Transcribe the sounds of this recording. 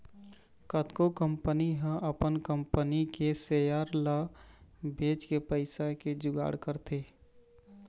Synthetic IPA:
kət̪kokəmpəniɦə̃ʔəpənkəmpənikesejaɾla | beːt͡ʃkepəɪsaked͡ʒʊɡa̰ːɽkəɾt̪e

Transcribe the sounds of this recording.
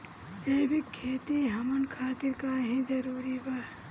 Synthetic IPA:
d͡ʒɐjbikʰːeːt̪iɦɐmənkʰaːt̪iɾkaːɦĩd͡ʒɐɾuːɾiba

